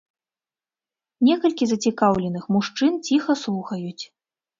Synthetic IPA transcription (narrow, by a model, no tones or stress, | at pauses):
nʲɛkɐlʲkʲizɐt͡sʲikawlʲɛnɨxmuʂt͡ʂɨnt͡sʲixɐslˠuxɐjut͡sʲ